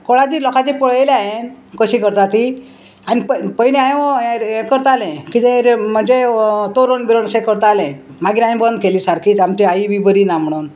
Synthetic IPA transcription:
kɔɭad͡ʑilɔkat͡ɕipɔɭəjleajen | kəɕikəɾt̪at̪i | anippəjniaj | kəɾt̪alẽkit̪ẽɾm̤ənd͡zet̪oɾonbiɾonsẽkəɾt̪alẽ | maɡiɾãjĩbənd̪keliːsaɾkiːt̪amt͡ɕiajiʋibəɾinam̤əɽ̃uːn

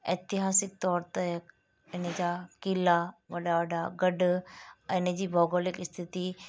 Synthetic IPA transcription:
ɪːt̪ɪɦaːsɪk̚t̪ɔːɾt̪e | ɪnəd͡ʑakɪlaʋɐɗaʋɐɗaɡɐɖɛ̃ːɪnd͡ʑiːbʱɔːɡoːlɪkɪst̪ʰɪt̪i

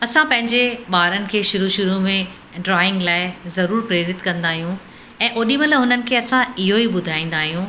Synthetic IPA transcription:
ɐsãpɐ̃ɦɪ̃ɲd͡ʑeɓaːɾənɪ̆kʰeːʃʊɾuʃʊɾumẽ | ɖɾaːɪ̃ŋɡlaːɪzɐɾuːɾpɾeːɾɪt̪kɐ̃nd̪aːɦijũ | ɛ̃ːʔoːɗĩməlɦʊnənɪ̆kʰeːɐsãɪɦoiɓʊd̪ʱaːĩːn̆d̪aːɦijũ

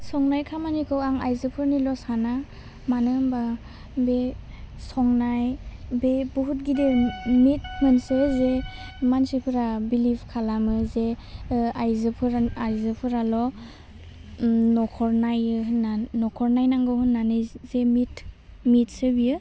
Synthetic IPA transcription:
sɔŋnajkʰamanikʰɯwaŋajzɯpʰɯɾnilɔsana | manɯmba | be | sɔŋnajbebuɦut̚ɡidewmit̚mɯnsɯze | mansipʰɯɾabilipʰkʰalamɯze | ajzɯpʰɯɾaajzɯpʰɯɾalɔ | nɔkʰɔɾnajɯɦɯnːanɔkʰɔɾnajnaŋɡɯwɦɯnːanɯzemit | mit̚sɯbiɯ

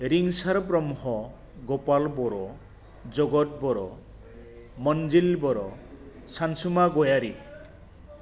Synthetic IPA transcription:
ɾiŋsaɾɔbɾɔmuɦɔ | ɡopalbɔɾɔ | d͡ʒoɡɔt̚bɔɾɔ | mɔnd͡ʒilbɔɾɔ | sansumaɡojaɾi

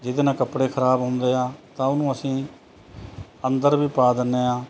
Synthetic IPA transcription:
d͡ʒɪd̪eːnãːkəpɽeːkʰəɾaːbɦʊ̃nd̪eːaːt̪ãːʊnũːəsĩː | ənd̪əɾbiːpaːd̪ɪnːeːaː

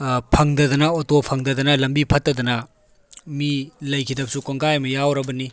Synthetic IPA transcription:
pʰɐŋdɐdɐnɐotopʰɐŋdɐdɐnɐlɐmbipʰɐtːɐdɐnɐ | milɐjkʰidɐb̚sukoŋɡajmɐjawɾɐbɐni

